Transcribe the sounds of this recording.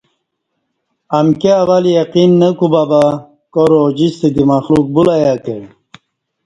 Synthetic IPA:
amkeawalijaqinːəkubaba | koɾod͡ʑist̪ed̪imaxluk̚bulajake

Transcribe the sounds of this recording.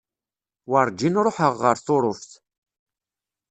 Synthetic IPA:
wəɾˤd͡ʒinɾˤoħəʁːəɾθʊɾˤʊfθ

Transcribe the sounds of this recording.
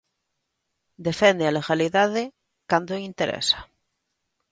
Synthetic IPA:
d̪e̞fend̪ealeɣaliðaðe | kand̪oint̪eɾʔḛsḁ

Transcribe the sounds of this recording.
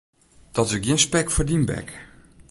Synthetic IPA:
d̥ɔtəɡjɪnspɛkfərdimbɛ̰k

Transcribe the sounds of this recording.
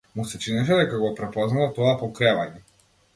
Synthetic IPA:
musɛt͡ʃinɛʃ̬ɛd̪ɛkaɡɔpɾɛpɔznalat̪ɔapɔkɾɛvaɲɛ

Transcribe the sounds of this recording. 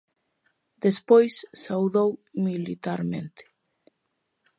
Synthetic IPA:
d̪̥espojsːawðowmilit̪aɾmẽnt̪e̥

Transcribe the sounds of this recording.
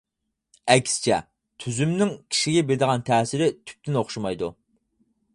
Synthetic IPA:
ɛkʲsɪ̥t͡ʃʰɛ̰ | t̪ʰyzymnɪŋkʲʰi̥ʃiɡʲɛbed̪əʁɑnt̪ʰɛːsɪɾɪt̪ʰy̥p̚t̪ɪnoχʃɑmɑjd̪u

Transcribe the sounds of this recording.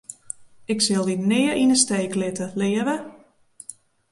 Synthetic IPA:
ɪksɪlˠditnɪːəɾinəsteːklɪtəlɪəʋə

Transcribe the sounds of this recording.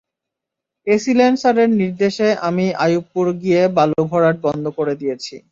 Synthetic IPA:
esilensaɾeɾniɾd̪eʃeʔamiajupːuɾɡijebalubʱɔɾaʈ̚bɔnd̪ʱokoɾed̪ijet͡ɕʰḭ

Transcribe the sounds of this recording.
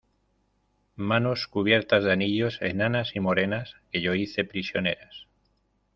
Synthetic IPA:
manoskuβ̞je̞ɾt̪azðeaniʎo̞sḛnanasimo̞ɾe̞naskeʎoiθe̞pɾisjo̞ne̞ɾas

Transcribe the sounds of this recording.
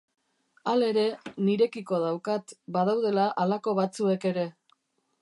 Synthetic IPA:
ale̞ɾe̞niɾe̞kiko̞ð̞awkat̪baðawð̞e̞laʔalako̞βat͡sue̞ke̞ɾe̞

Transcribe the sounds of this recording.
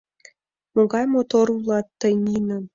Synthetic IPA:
moɡɑjmot̪oɾulˠɑt̪ːənʲinə̆

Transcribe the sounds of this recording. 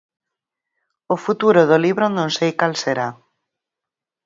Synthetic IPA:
ofut̪uɾoðoliβɾonõnsejkalseɾa

